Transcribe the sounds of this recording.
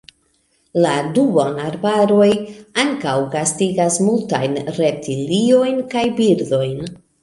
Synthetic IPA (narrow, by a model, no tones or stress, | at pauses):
ladubonaɾbaɾo̞jaŋkawɡastiɡasmultajnɾe̞tʰilio̞jnkajbiɾdo̞jn